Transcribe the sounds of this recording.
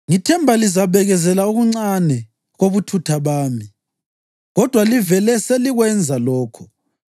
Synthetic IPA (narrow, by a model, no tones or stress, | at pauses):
ŋitʰɛmbʱalizaβɛɣɛzɛlaoɣuŋ͡ǀanɛ | ɣoβutʰutʰaβaːmi | ɣɔd̥ʱwalivɛlɛseliɣwɛnd͡zʱalɔːkʰɔ̥